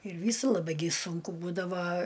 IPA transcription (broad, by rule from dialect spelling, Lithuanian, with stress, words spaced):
ɪr ˈʋʲiːsʊ lˠɐˈbɐɪ ɡʲɪ ˈsʊŋkʊ ˈbuːdɐʋɐ